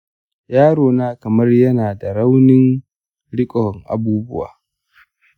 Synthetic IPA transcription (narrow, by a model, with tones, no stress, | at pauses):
jaː˦ɽoː˨naː˦kɐ˨mɐ˦rjɐ˦naː˨da˨ɾa˦wnɪ˦ŋ | ɽɪ˦kʼɔ˨ŋʔa̰˨buː˦bʊ˦wa̰ː˨